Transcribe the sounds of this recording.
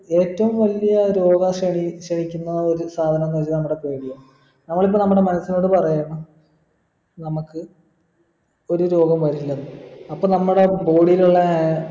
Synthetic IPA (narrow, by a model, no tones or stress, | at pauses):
e̞ːtːɐʋumʋɐlijɐɾo̞ːɡɐɕeɳiɕeɳikʲːunːɐo̞ɾusaːd̪ʱɐnɐnːɐt͡ɕinɐmːuɽe̞peːɽijaːɳ | nɐmːɐɭip̬ːonɐmːuɽemɐnɐsːino̞ːɽɨpɐrɐjaːɳɐm | nɐmukːɨ | o̞ɾuɾo̞ːɡɐmʋɐɾilːɐnːɨɐpːoːnɐmːuɽe̞bo̞ːɽijiluɭːea